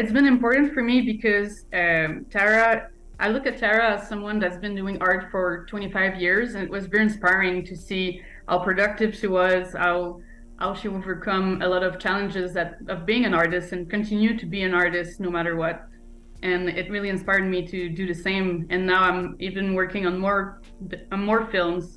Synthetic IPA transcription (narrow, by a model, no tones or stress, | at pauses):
ɨtsb̥ɨ̃nɨ̃mpɔɹʔn̩tfə˞mibɨkʰʌz | ʌtʰɛɹɨ | ʔaɪlʊkɨtʰɛɹɨsʌ̃mwʌ̃nðɨtsbɨ̃nduɪ̃ŋʔɑɹtfə˞tʰw̥ɛ̃ɾ̃ifaɪvjɪɹzɨ̃nɨʔ̚wʔʌzvɛɹiɨ̃nspaɪɹɪ̃ŋtʰɨsi | ha̰ʊpʰɹ̥ɨdʌk̚tɨv̥ʃiwʌz̥haʊ | ha̰ʊʃioʊvə˞kʰʌ̃məlɔɾʌv̥t͡ʃʰælˠə̃nd͡ʒɪzɨɾʌvbiɪ̃ŋɨ̃nɑɹɾɨstɨ̃nkɨ̃ntʰɪ̃njʉd̚tʰɨbiɨ̃nɑɹɾɨstnoʊmæɾə˞wʌt̚ | ʔɨ̃nɪt̚ɹɪlˠiɨ̃nspaɪɹd̚miɾɨdɨðɨsẽɪ̃mɨ̃nːaʊãɪ̃mivɨ̃nwɜ˞kɪ̃ŋə̃nmɔɹ | ɨ̃nmɔɹfɪlˠmz̥